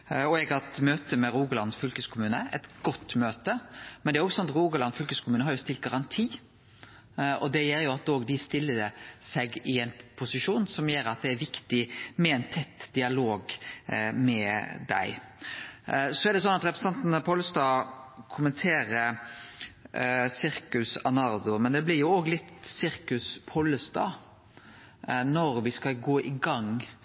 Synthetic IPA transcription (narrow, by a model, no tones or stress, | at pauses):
ɔɛɡɑt̪møːt̪əmɛɾuːɡəlɑnsfʏlkəskʰʊmʉːnəʔɛ̰t̪ɡ̥ɔt̪ːmøːt̪əmɛnd̪ɛæɾɔɡsɔnɑt̪ɾuːɡəlɑnfʏlkəskʰʊmʉːnəɦhɑɾjʊst̪ɪlt̪̚ɡɑɾɑnt̪ʰiː | ʔɔ̰d̪ɛjɛljʊɑt̪ːoːɡd̪ɪst̪ɪlːəsɛɡɪɛɪnpʰʊsɪʂuːnsɔmjeːɾɑt̪̚d̪ɛæɾʋɪkt̪ɪmɛɛɪnt̪ʰɛt̪ːd̪ɪɑloːɡ | mɛd̪æ̰ɪ | sɔæɾɖ̪ɛsɔnɑt̪ɾɛpɾɛ̥sɑnt̪nəpʰoləst̪ɑːkʰʊmənt̪ʰeːɾəɾ | sɪɾkʉsɑnɑɾd̪ʊmɛnd̪ɛblɪɾjʊoːɡlɪt̪sɪɾkʉspʰɔlːəst̪ɑ̰ː | nɔɾʋɪskɑlɡoːʔɪɡɑŋ